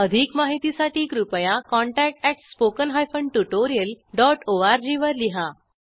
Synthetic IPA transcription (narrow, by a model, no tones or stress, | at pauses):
əd̪ʱikmaɦit̪isaʈiːkɾupjãkɔ̃ɳʈæk̚ʈɛʈspokənɦajfəɳɖʈuʈoɾijəlɖɔʈoaɾd͡ʑiʋəɾliɦa